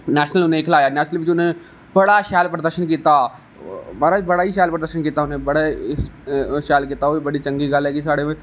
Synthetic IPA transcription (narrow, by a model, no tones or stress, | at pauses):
nɛːʃnəlʊnẽkʰlaːjanɛːʃnəlʋɪt͡ʃʊnẽ | bɐɽaʃaːlpɾəd̪əɾʃənkiːt̪a | maːɾabɐɽaːiʃaːlpɾəd̪əɾʃənkiːt̪aʊnẽbɐɽa | ʃaːlkiːt̪aoːibɐɽit͡ʃɐ̃ŋɡiɡaːlɦɛːkisaːɽemẽ